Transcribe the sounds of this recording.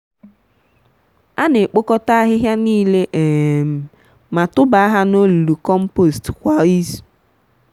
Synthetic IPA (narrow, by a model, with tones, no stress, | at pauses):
a˦ne˨k͡po˦kɔ˦ta˦a˦ɦɪ˦ɦja˦niː˦le˦ʔe˨m̩˨ | ma˨tʊ˦ba˨a˦ɦa˦no˦lu˨lu˨kɔ˦m̩˦po˦˨stkʷa˨i˦z